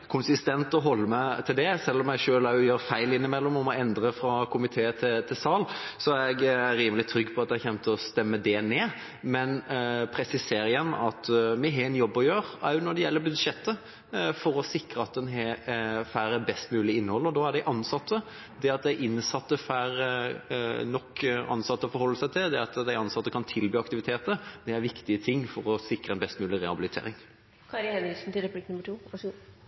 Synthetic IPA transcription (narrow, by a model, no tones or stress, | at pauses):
kʰʊnsɪst̪ɛnt̪ɔɦɔlːəmæt̪ʰɪld̪ɛsɛlːɔmjæʂøːlɑjøːɾfæɪlɪnːɪmɛlːɔmɔmɔɛnd̪ɾəfɾɑkʰʊmɪt̪ʰeːət̪ʰɪt̪ʰɪsɑːlsɔæɾɛɡæɾːiːməlɪt̪ʰɾʏɡːpʰɔɑt̪d̪ɛçɛmt̪ɔst̪ɛmːəd̪ɛneː | mɛnpʰɾɛsɪseːɾjɛnːɑt̪mɛɦɛɛnjɔbːɔjøːɾɑ̰ʉnɔɖ̪ɛjɛlːəbʉd̪ʂɛt̪ːə | fɔɾɔsɪkɾəɑt̪̚d̪ɛnɦɛfæːɾæɾbɛst̪mʉːlɪɪnːəhɔlːəɾɔd̪ɑæɖ̪æɪʔɑnsɑt̪ːə | d̪ɛɑt̪̚d̪æɪʔɪnːsɑt̪ːəfæːɾ | nɔkːɑ̰nsɑt̪ːəɔfɔɾhɔlːəsæɪt̪ʰɪld̪ɛɑt̪d̪æɪɑnsɑt̪ːəkʰɑnt̪ʰɪlbyːɑk̚t̪ɪʋɪt̪ʰeːt̪əd̪ɛæɾʋɪkt̪ɪət̪ʰɪŋːfɔɾɔsɪkɾəɛnbɛst̪mʉːlɪɾɛhɑbɪlɪt̪ʰḛːɾɪŋ | kʰɑɾhɛnɪsn̩t̪ʰɪlɾɛplɪknʉmːəʈʰuː